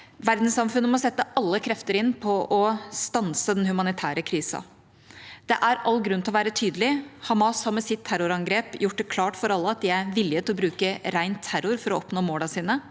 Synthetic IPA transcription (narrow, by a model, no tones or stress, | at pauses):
ʋæɾd̪n̩sɑmfʉnːəmɔsɛt̪ːəɑlːəkʰɾɛft̪əɾɪnːpʰɔʔɔst̪ɑnsəd̪ɛnhʉmɑnɪt̪ʰæːɾəkʰɾiːsɑ̰ | d̪̥ɛʔæɾɑlːɡɾʉnt̪ʰɪlɔʋæːɾət̪ʰyːd̪əlɪhɑmɑshɑɾmɛsɪt̪ʰːæɾʊɾɑŋɡɾeːpjʊʈ̚ːd̪ɛkʰlɑːʈfɔɾɑlːəɑt̪̚d̪ɪæɾʋɪlːɪət̪ʰɪlɔbɾʉːkəɾæɪnt̪ʰːæɾʊɾfɔɾɔɔpnoːmoːlɑsiːnə